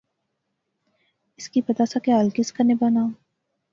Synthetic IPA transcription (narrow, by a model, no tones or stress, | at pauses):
ɪskipɐt̪asakeaːlkɪskanebanãːm